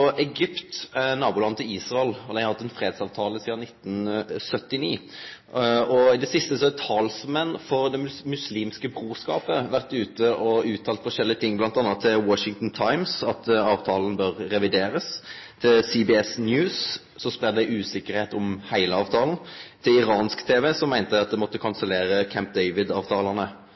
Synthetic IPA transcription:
ɔɛɡʏpt̪nɑːbʊlɑnt̪ʰɪiːsʁɑɛlɔd̪æɪɑhɑt̪ːɛnfɾeːd̪sɑːʋt̪ʰɑːləsiːd̪ɑnɪt̪ːn̩sœt̪ːɪniː | ɔɪd̪ɛsɪst̪əsɔɛt̪ʰɑlsmɛnːfɔʁd̪ɛmmʉsliːmskəbɾuːskɑ̰ːpəʋæʁt̪ʉːt̪əʔɔʉːt̪ʰɑːlfɔʂɛlːɪət̪ʰɪŋːblɑnt̪ɑnːɑt̪ʰːɪlwɔʃɪŋt̪n̩t̪ʰɑɪmsɑt̪ɑːʋt̪ʰɑːln̩bøːʁːɛʋɪd̪eːɾəst̪ʰɪlsibɪɛsnjʉːs | sɔspʁɛd̪d̪æɪʔʉːsɪkəɾheːt̪ɔmhæɪləɑːʋt̪ʰɑːln̩t̪ʰɪlɪɾɑːnskt̪ʰeːʋɛsɔmːæɪnt̪əɑt̪̚d̪ɛmɔt̪ːəkʰɑnsəleːɾəkʰæmp̚d̪ɛɪʋɪd̪ɑːʋt̪ʰɑːləʁnə

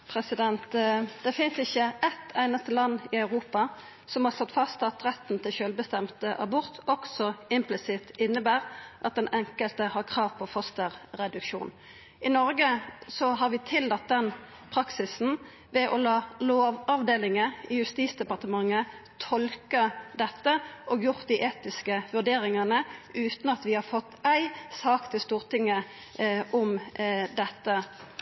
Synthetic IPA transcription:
pʰɾɛsɪd̪ɛnt̪d̪̥ɛfɪnsɪçːəɛt̪ʰæɪnəɑst̪əlɑnːɪɑʉʁuːpɑ | sɔmhɑʁslɔt̪ːfɑst̪ɑt̪ʁɛt̪ːn̩t̪ʰɪlʃøːlbəst̪ɛmt̪əʔɑ̰bɔʁt̪ɔksɔɪmplɪsɪt̪ɪnːəbæːʁʔɑt̪̚d̪ɛnʔɛŋkəlt̪əhɑʁkʰʁɑːʋpʰɔfɔst̪əʁɾɛd̪ʉkʃṵːn | ɪnɔɾɡəsɔɦɑʁʋɪt̪ʰɪld̪ɑt̪̚d̪ɛn | pʰɾɑksɪsn̩ | ʋɛʔɔlɑːloːʋɑʋd̪eːlɪŋəɪjʉst̪iːsd̪ɛpɑʁt̪əmɑŋːət̪ʰɔlkəd̪ɛt̪ːəʔɔːɡjʊʁt̪̚d̪iʔeːt̪ɪskəʋʉʁd̪eːɾɪŋənəʉːt̪n̩ɑt̪ʋɪhɑɾfɔt̪ːæɪsɑːkt̪ʰɪlst̪uːʁt̪ɪŋːə | ʔʊmd̪ɛt̪ːə

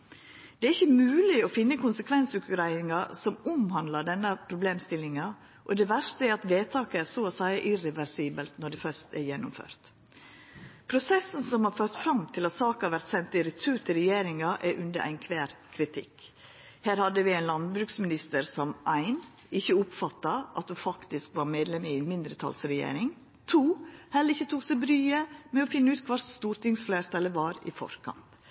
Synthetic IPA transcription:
d̪̥ɛæɾɪçːəmʉːlɪɔfɪnːəkʰʊnsəkʰʋɛnsʉkʉɾæɪɪŋɑsɔmʊmhɑnd̪lɑɖɛnːəpʰɾʊbleːmst̪ɪlːɪŋɑ | ʔɔd̪ɛːʋæɾʂt̪əɛɾɑt̪ʋeːt̪ʰɑːkəæɾsoːosæɪəʔɪɾɛʋæɾsiːbəlt̪nɔɖɛfœʂt̪ɛ̰ɾjɛnːʊmfø̰ːɾt̪ | pʰɾʊsɛsn̩sɔmhɑɾføːɾt̪fɾɑmt̪ʰɪlɑt̪sɑːkɑʋæɾt̪sɛnt̪ɪɾɛt̪ʰʉːt̪ʰɪɾɛjeːɾɪŋɑʔɛɾʔʉnd̪əɾʔæ̰ɪnkʰʋeːɾkʰɾɪt̪ʰɪ̰k | hæːɾhɑd̪əʋɪæɪnlɑnbɾʉːksmɪnɪst̪əɾsɔmʔæɪn | ɪçːəʊpfɑt̪ːɑʔɑ̰t̪̚d̪ʉfɑkt̪ɪskʋɑɾmeːd̪lɛmɪnmɪnd̪ɾət̪ʰɑ̰lsɾɛjḛːɾɪŋ | t̪ʰuːhɛləɾɪçːət̪ʰuːksæɪbɾyːəmɛɔfɪnːəʉːt̪kʰʋɑɾst̪uːɾt̪ɪŋsfleːɾt̪ɑləʋɑːɾɪ̰fɔ̰ɾkʰɑ̰nt̪

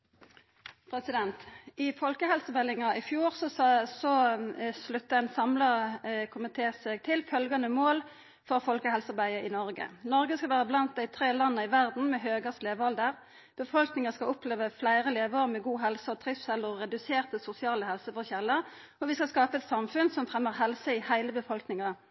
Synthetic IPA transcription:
pʰʁɛsɪd̪ɛnt̪ɪfɔlkəɦɛlsəbɛlɪŋɑɪfjuːʁsɔsɔslʉt̪ːəɛnsɑmləkʰʊmət̪ʰeːsɛɡ̚t̪ʰɪlfœlɡɑnəmoːl | fɔʁfɔlkəhɛlsɑʁbæɪəʁɪnɔʁɡə̰nɔɾɡəskɑʋæːʁəblɑnt̪̚d̪æɪt̪ʰʁeːlɑnːəɪʋæʁd̪n̩mɛɦøːɡɑsleːʋəɑld̪əʁ | b̥əfɔlknɪŋəskɑʊpʰleːʋəflæɪʁəleːʋoːʁmɛɡuːɦɛlsəɔt̪ʰʁɪssɛləʁʁɛd̪ʉseːʁt̪əsʊsɪɑːləhɛlsəfɔʁçɛlːəʁ | ɔʋɪskɑskɑːpəɛt̪sɑmfʉnsɔmfʁɛmːəʁhɛlsəɪhæɪləbəfɔlknɪŋɑ

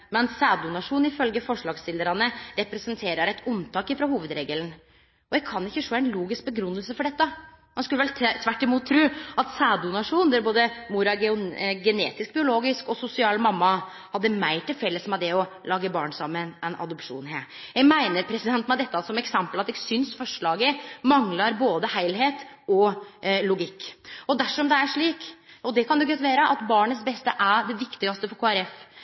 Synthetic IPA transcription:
mɛnsæːd̪ʊnɑʂuːnɪfœlɡəfɔʂɭɑːɡsɪld̪əɾɑnəɾɛpɾɛsənt̪ʰeːɾəɾæɪt̪ʉnt̪ʰɑːkɪfɾɑhuːʋəd̪ɾeːɡəln̩ | ɔjɛɡkʰɑnːɪçːəʂoːæɪnluːɡɪsk̚bəɡɾʉnːəlsəfɔɖɛt̪ːə | hɑnskʉlːʋɛlt̪ʰʋæʈːɪmuːt̪ʰːɾʉːɑt̪sæːd̪ʊnɑʂuːnd̪ɛɾboːd̪əmuɾɑɡɡɛnḛːt̪ɪsk̚bɪʊloːɡɪskɔsʊsɪɑːlmɑmːɑ | hɑd̪ːəmæɪt̪ʰɪlfɛlːəsmɑd̪ɛɔlɑːɡəbɑ̰ːɳsɑmːənɛnʔɑ̰d̪ɔpʂṵːnhḛː | jæɡmæɪnəɾpʰɾɛsɪd̪ɛnt̪nmɛd̪ɛt̪ːəɑsɔmɛksɛmpəlɑt̪ːɛæɡsʏnsfɔʂɭɑːɡəmɑŋlɑɾboːd̪əhæɪlɦeːt̪ɔlʊɡɪkːɔd̪æʂɔmd̪ɛæʂɭiːkɔd̪ɛkʰɑnd̪ʊɡœt̪ːʋæːɾəʔɑt̪bɑːɳət̪sbɛst̪əʔæɖɛʋɪkt̪ɪɡɑst̪əfɔɾkʰoːæɾɛf

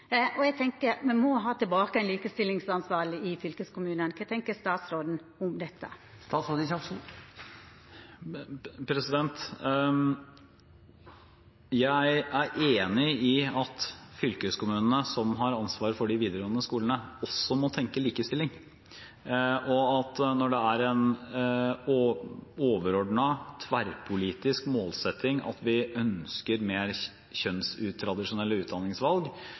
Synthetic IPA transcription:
ɔɛɡt̪ʰɛŋkəɾmɛnmɔɦɑːt̪ɪlbɑːkəɛɪnliːkəst̪ɪlːɪŋsɑnsʋɑːɾəɪfʏlkəskʊmʉːnənkʰɛt̪ʰɛŋkəst̪ɑːt̪sɾoːd̪n̩ | ʊmd̪ɛt̪ʰːə̰ | st̪ɑːt̪sɾoːd̪sɑŋʂn̩ | pʰɾɛsɪd̪ɛnt̪ | jæɪæɾʔeːnɪɪɑt̪fʏlkəskʊmʉːnənəsɔmɦɑɾɑnsʋɑːɾəfɔɖɪʋiːd̪əɾɔːnəskuːlənəɔsːɔmɔt̪ʰɛŋkəliːkəst̪ɪlːɪŋ | ʔɔɑt̪nɔɖɛæɾɛn | oːʋəɾɔɖɳɑt̪ʰʋæɾpʰʊliːt̪ɪskmoːlsɛt̪ʰːɪŋʔɑ̰t̪ʋɪœnskəɾmeːɾ | çœnsʉːt̪ʰːɾɑd̪ɪʂʊnɛlːəʉːt̪̚d̪ɑnːɪŋsʋɑlɡ

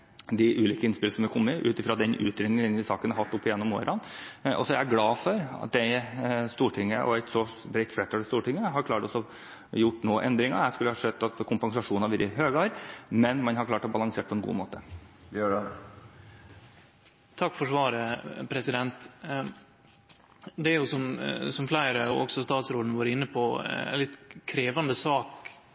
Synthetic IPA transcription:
d̪ɪʔʉːliːkəɪnspɪləsɔmɛkʰɔmːəɪʔʉ̰ːt̪ɪfɾɑd̪ɛnʔʉ̰ːt̪ʰɾɛːnɪɛnd̪ɪsɑːkənɑɾhɑt̪ːʊpːɪjɛnːɔmo̰ːɾɑnʔɔ̰sɔɛææɡlɑːfɔɾɑ̰t̪̚d̪ɛɪst̪uːʈʰɪŋːəʔɔ̰ɛɪt̪sɔbɾɛɪt̪flɛt̪ʰːɑːlɛst̪uːʈɪŋːəɦɑɾkʰlɑːʈɔsɔ | jʊʈːnoːʔɛnd̪ɾɪŋɑ̰æskʉlːəhɑʂɛd̪ːɑt̪kʰʊmpɑŋsɑʂuːnɑʋɪɾɪɦøːɡɑɾmɛnmɑnɦɑɾkʰlɑːʈɔbɑlɑŋseːʈ̚pʰɔɛnɡṵːmoːt̪ə | t̪ʰɑkːfɔʂʋɑːɾəpʰɾɛsɪd̪ɛnt̪ | d̪ɛæɾjʊsɔmsɔmflæɪɾəɔɔ̰ɡsɔst̪ɑːt̪sɾoːd̪nəʋɑːɾəɪnːəpʰɔ̰nlɪt̪kʰɾeːʋɑnd̪əsɑːk

